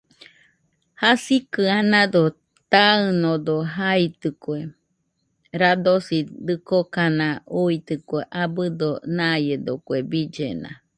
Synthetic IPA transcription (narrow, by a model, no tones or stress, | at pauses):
hasikɨanad̪o | t̪aɨnod̪oɦait̪ɨkwe | ɾad̪osid̪ɨkokanãuit̪ɨkweʔabɨd̪onajed̪okwebid͡ʒena̰